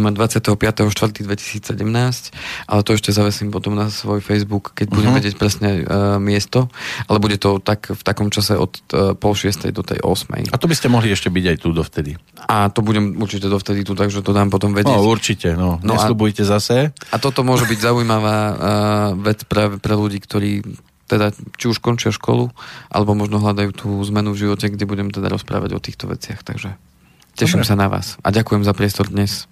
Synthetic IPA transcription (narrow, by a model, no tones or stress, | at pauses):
ɛmad̪ʋat͡sɪat̪ɛɦɔpɪat̪ɛɦɔʃt̪ʋr̩t̪iːd̪ʋɛci̥siːt͡ssɛɟɛmnaːscʔa̰lɛt̪ɔɛʃcɛzaʋɛsiːmpɔt̪ɔmnasʋɔjfɛjzbukːɛɟbuɟɛmʋɛɟɪɛc̚pɾɛsɲɛmɪɛst̪ɔalɛbuɟɛt̪ɔt̪akft̪akɔmt͡ʃasɛʔɔ̰t̪pɔlʃɪɛst̪ɛ̰jd̪ɔt̪ɛ̰jʔɔ̰smɛ̰jat̪ɔbiscɛmɔɦliɛʃcɛbiɟajt̪ud̪ɔft̪ɛd̪iʔat̪ɔbuɟɛmuɾt͡ʃicɛd̪ɔft̪ɛd̪it̪ut̪aɡʒɛt̪ɔd̪aːmpɔt̪ɔmʋɛɟɛuɾt͡ʃicɛnɔnɔɛsalubujcɛzasɛat̪ɔt̪ɔmʊɔʒɛbiɟzaujmaʋaː | ʋɛt͡spɾaːʋɛpɾɛluɟiːkt̪ɔɾiː | t̪ɛd̪at͡ʃiuʃkɔnt͡ʃɪaʃkɔ̰luʔa̰lɛbɔmɔʒnɔɦlad̪ajuːt̪ʰuːzmɛnuvʒiʋɔcɛɡɟɛbuɟɛmt̪ɛd̪a̰ɾɔspɾa̰ːʋa̰ɟɔ̰t̪iːxt̪ɔʋɛ̰t͡sɪa̰xt̪a̰ɡʒɛ | cɛʃimsanaʋa̰ːsa̰ɟakujɛmzapɾɪɛst̪ɔɾd̪ɲɛs